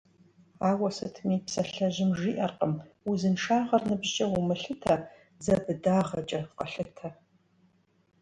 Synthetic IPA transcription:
aːwɐsɨtʰmipsɐɬɐʒɪmʒiːʔɐrqəmwuzɨnʂaːʁɐrnɨbʒt͡ʃʼɐwumɨɬɨtʰɐ | zɐbɨdaːʁɐt͡ʃʼɐqɐɬɨtʰɐ

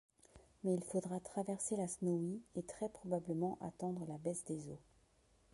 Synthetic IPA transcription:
mɛilfod̪ʁat̪χavɛʁselasnoiet̪χɛpχɔbabləmɑ̃ʔa̰t̪ɑ̃d̪ʁəlabɛsd̪ezo

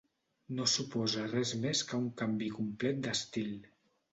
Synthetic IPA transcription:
nosupɔzərɛzmeskəuŋkambikumplɛt̪̚d̪əst̪ilˠ

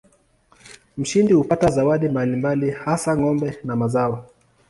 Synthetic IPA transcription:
m̩ʃindihupatazawaɗimbalimbalihasaŋɔmbɛnamazaɔ

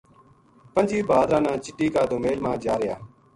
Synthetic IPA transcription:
pənd͡ʒiːbaːd̪ɾãːnãːt͡ʃɪʈːiːkaːd̪oːmeːlmãːd͡ʒaːɾɪjaː

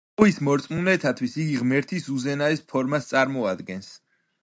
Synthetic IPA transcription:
ismɔɾt̪sʼmunɛt̪ʰat̪ʰwisiɡiʁmɛɾt̪ʰisuzɛnaɛspʰɔɾmast̪sʼaɾmɔad̪ɡɛns

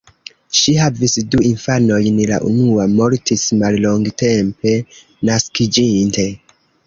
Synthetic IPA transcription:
ʃiɦavisduinfano̞jnla̰ʔṵnuamo̞ɾtismalloŋɡte̞mpe̞ | naskid͡ʒinte̞

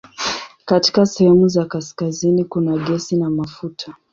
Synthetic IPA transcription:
kati̥kasɛhɛmuzakaskazinikunaɠɛsinamafutʰa

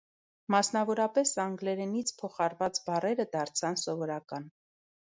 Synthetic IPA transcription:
mɑsnɑvɔɾɑpɛsɑŋɡlɛɾɛnit͡sʰpʰɔχɑɾvɑt͡sbɑrɛɾəd̪ɑɾt͡sʰɑnsɔvɔɾɑkɑn

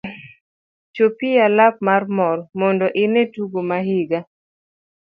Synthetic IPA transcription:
t͡ʃopialap̚marmɔrmɔndɔʔɪnetuɡomaɦiɡa

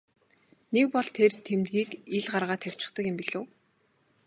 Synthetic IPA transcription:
nekpɔɮt̪ʰert̪ʰemt̪ɡiːkiɮɢarʁaːt̪ʰːæw̥ʲt͡ɕɪ̥̆χt̪ə̆kjɪ̆mpiɮoː

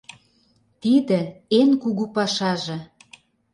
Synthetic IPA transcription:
t̪id̪ə̆enkuɣupɑʃɑʒɤ̆

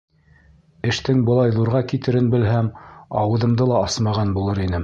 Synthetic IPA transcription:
ɘ̆ʃt̪ɘŋbɤ̆lˠɑjðuɾʁɑkit̪ɘ̆ɾɘnbɘ̆lɦæmɑwɤ̆ðɤ̆md̪ɤlˠɑɑsmɑʁɑnbulˠɤɾinɘ

